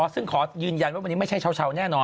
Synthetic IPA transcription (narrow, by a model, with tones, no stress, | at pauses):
ɔː˦˥sɯ˥˩ŋkʰɔː˩˦jɯː˧nja˧nwa˧nːiː˦˥m˥˩t͡ɕʰa˥˩jt͡ɕʰwt͡ɕʰa˧wnɛː˥˩nɔː˧